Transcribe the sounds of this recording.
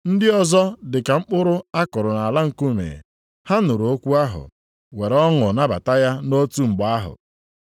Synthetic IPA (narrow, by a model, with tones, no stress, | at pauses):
n̩˦dɪ˦ɔ˦zɔ˦dɪ˨ka˨ŋ͡m̩˦k͡pʊ˦ɾʊ˦a˦kʊ˨ɾʊ˨na˨a˨la˦ŋ̩˨ku˦mḛ˨ | ha˦nʊ˨ɾo˦kʷu˦a˦ɦʊ̰˨ | we˨ɾɔ˦ŋʊ˨na˦ba̰˨ta˦ja˦no˦tu˦ŋ͡m̩˨ɡ͡ba˨a˦ɦʊ̰˨